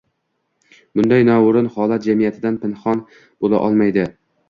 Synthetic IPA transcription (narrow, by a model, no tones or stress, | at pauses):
b̥ʊnd̪ajnɒʊɾɪnhɒlˠat̪̚d͡ʒamijat̪ʰɪd̪anpɪnχɒn | b̥olˠa̰ʔɒlˠmajd̪ɪ